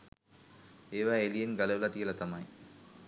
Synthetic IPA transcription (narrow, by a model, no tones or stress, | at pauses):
eːʋæːelijenɡɐlɐʋlɐt̪ijəlɐt̪ɐmɐj